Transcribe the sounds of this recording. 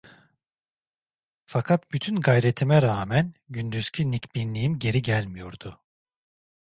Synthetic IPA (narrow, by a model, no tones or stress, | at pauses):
fakʰat̪byt̪ʰynɡajɾe̞t̪ʰimɛɾaːmænɟynd̪yz̥cʰynicbinlːʲijimɟe̞ɾiɟælʲmijo̞ɾd̪̥ʊ